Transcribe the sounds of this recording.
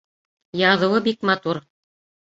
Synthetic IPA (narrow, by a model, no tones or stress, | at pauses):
jɑðɤ̆wɤbikmɑt̪uɾ